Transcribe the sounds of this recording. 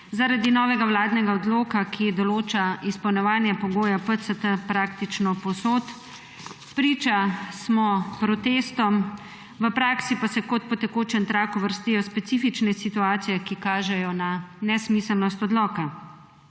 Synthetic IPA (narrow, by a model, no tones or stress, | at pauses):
zaɾad̪inɔːʋɛɡawlaːd̪nɛɡaɔd̪loːkakʰid̪ɔloːt͡ʃaispɐwnɔʋaːnjɛpɔɡoːjapəsət̪əpɾaːk̚t̪it͡ʃnɔpɔsoːt̪ | pɾiːt͡ʃasmɔpɾɔt̪eːst̪ɔm | ʋəpɾaːksipasɛkɔt̪̚pɔt̪ɛkoːt͡ʃɛnt̪ɾaːkuʋəɾst̪ijɔspɛt̪siːfit͡ʃnɛsit̪uaːt̪sijɛkikaːʒɛjɔnanɛsmisəlnɔst̪ɔd̪lɔːka